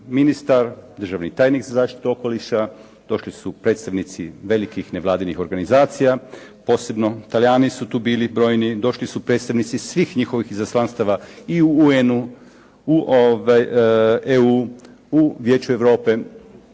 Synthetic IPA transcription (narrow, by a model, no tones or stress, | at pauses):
minist̪aɾd̪ɾr̩ʒaʋnit̪aːjnikzazaːʃt̪i̥t̪uo̞ko̞liʃa | d̪̥o̞ʃlisupɾe̞ːt̪st̪aʋnit̪siʋe̞likixne̞ʋlˠaːd̪inixo̞ɾɡanizaːt̪sijapo̞ːse̞bno̞t̪aljaːnisut̪uːbiːlibɾo̞ːjnid̪o̞ʃlisupɾet̪st̪aʋnit̪sisʋiːxɲixo̞ʋixizaslanst̪aʋaiuuenu | uʔoʋajeu | uʋje̞ːt͡ɕueʋɾo̞ːpe̞